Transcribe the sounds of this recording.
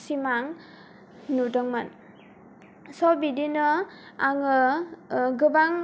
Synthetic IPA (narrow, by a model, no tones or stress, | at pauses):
simaŋ | nudəŋman | sɔbidinʌ | aŋɯ | ɡɯbaŋ